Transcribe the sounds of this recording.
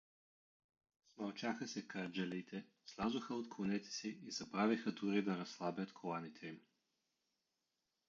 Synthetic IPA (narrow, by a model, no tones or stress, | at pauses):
smɐlˠt͡ʃaxəsɛkaɾd͡ʒɛlit̪ʰɛ | slˠazoxəot̪klˠonɛt̪ɛ̥siizɐbɾavixəd̪uɾid̪ɐɾɐslˠabʲət̪kʰolˠanit̪ʰɛim